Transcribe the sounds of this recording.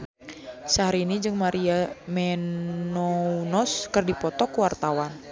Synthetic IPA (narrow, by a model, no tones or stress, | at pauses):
saɦaɾiːnid͡ʒɨŋmaɾiamɛnɔunɔskɨrdipɔt̪ɔkuwart̪awan